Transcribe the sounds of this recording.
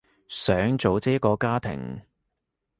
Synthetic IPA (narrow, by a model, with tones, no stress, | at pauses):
sœː˨˥ŋt͡so˨˧wt͡sɛː˥kɔː˧kaː˥t̪ʰɪ̰˨˩ŋ